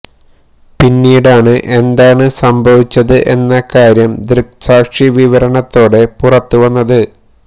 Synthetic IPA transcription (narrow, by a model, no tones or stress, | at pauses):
pinːiːɽaːɳɨʔe̞nd̪aːɳɨsɐmbʱɐʋit͡ɕːɐðɨʔe̞nːɐkaːɾjɐmd̪ɾɨksaːkʂiʋiʋɐɾɐɳɐt̪ːo̞ːɽe̞purɐt̪ːuʋɐnːɐðɨ